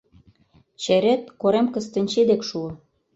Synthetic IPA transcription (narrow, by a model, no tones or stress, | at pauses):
t͡ɕeɾet̪̚koɾemkə̆st̪ə̆nʲt͡ɕed̪ekʃuŏ